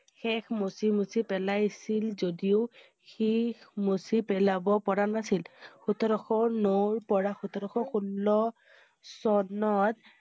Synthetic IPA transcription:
xɛxmusimusipɛlajsilzodiʊ | xixmusipɛlabɔpɔɹanasilxutʰɔɾɔxɔɹnoɹpɔɹaxut̪ʰɔɾɔxɔxunːɔ | sɔnɔt̪̚

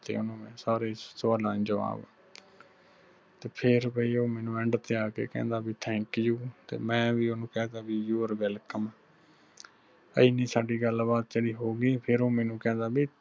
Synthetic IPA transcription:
t̪ḛːʊnõːmɛ̃ːsaːɾeːsaːlãːd͡ʒəʋa̰ːbː | t̪eːpʰɪɾbʱəiːoːmɛ̃ːnũːɛ̃ɳɖt̪eaːkḛːkɛ̰̃ːnd̪aːbiːt̪ʰɛ̃ːŋkjuːt̪ḛːmɛ̃ːʋiːonũːkɛ̃ːd̪aːbiːjuːəɾʋɛːlkəmː | ə̰iːnĩːsaːɖiːɡəlbaːt̪̚d͡ʒeːɽiːɦoːɡiːpʰɪɾoːmɛːnũːkɛ̃ːnd̪aːbiː

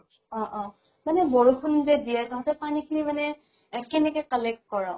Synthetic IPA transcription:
ɔ̃ʔɔ̃ | manɛbɔɹukʰunzɛdijataɦatɛpanikʰinimanɛ | ɛkɛnɛkɛkalekːɔɹa

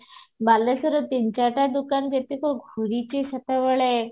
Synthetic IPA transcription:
balesəɾət̪iɲt͡ɕaʈad̪ukanɡet̪ikoɡʱuɾit͡ɕisət̪əʋəɭe

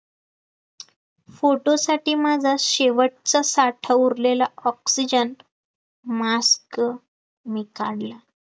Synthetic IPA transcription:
foʈosaʈiːmad͡zʱaɕeʋəʈ̚t͡sasaʈʰəuɾlelaɔksid͡ʑən | mask | mikaɽla

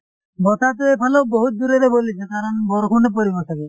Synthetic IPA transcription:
bɔt̪ʰat̪eepʰaloboɦut̪̚d̪uɾeɾebolit͡ʃʰet̪aɾɔnbɔɾokʰunep̬oɾibɔtake

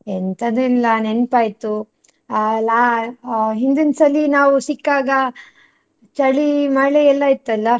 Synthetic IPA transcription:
ent̪ʰɐd̪uilːɐnenpaːjt̪u | ala | ɦind̪insɐlːinaːʋusikːaːɡɐ | t͡ʃɐɭimɐɭeɛlːɐit̪ːɐlːɐ

